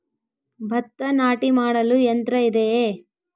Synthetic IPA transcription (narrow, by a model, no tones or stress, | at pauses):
bʱɐt̪ːɐnaːʈimaːɽɐluent̪ɾɐid̪eː